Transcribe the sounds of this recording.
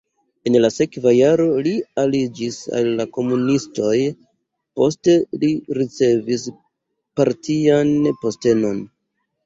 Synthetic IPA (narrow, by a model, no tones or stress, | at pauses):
e̞nlase̞kvajaɾo̞lialid͡ʒisa̰lːako̞munisto̞j | po̞ste̞liɾit͡se̞vis | paɾtʰianpo̞ste̞no̞n